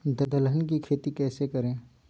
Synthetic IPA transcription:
d̪ɐd̪ɐlɦənkikʰeːt̪ikɛːsekɐɾẽː

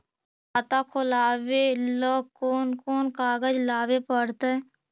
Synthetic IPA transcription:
ət̪aːkʰolaːbeloːkoːnkoːnkaːɡəd͡ʒlaːʋepəɽt̪e

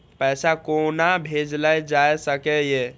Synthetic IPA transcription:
pəjsakonabʱed͡ʒlajd͡ʒajsəkɛje

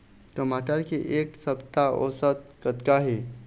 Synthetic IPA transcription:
t̪əmaʈaɾkiʔeksəpt̪aʔosət̪̚kət̪kaɦe

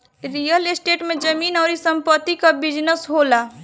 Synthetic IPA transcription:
ɾijəlesʈeʈmed͡ʒəminaɾisəmpət̪ːikəbid͡ʒnəsɦola

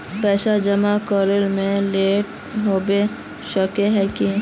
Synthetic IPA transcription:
bɛːʃad͡ʒəmakɔːɾəlmẽleːʈ | ɦoːbe | ʃəkeɦɛki

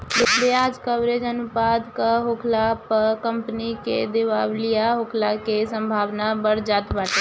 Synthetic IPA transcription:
lɪkʰleaːd͡ʒkəbɾed͡ʒənʊpaːd̪kaɦokʰlapəkə̃mpnikḛd̪eʋaːwlijaɦokʰlakesə̃mbʱaːʋnabəɽd͡ʒaːt̪baːʈe

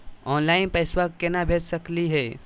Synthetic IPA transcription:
ɔːnlaːɪnpəɪswakːenabʱeːt͡ʃsəkliɦɛː

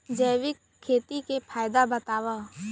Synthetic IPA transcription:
d͡ʒəːʋɪkʰːeːt̪ikepʰaːjd̪abɐt̪aːwa

